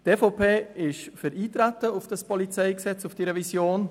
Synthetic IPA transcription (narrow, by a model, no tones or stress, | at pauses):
tefoʊpʰeːɪʃfəɾiːtɾatəʊfd̥ɑspʰɔlit͡sɛɪksɛt͡sʊfd̥iɾɛvisjoːn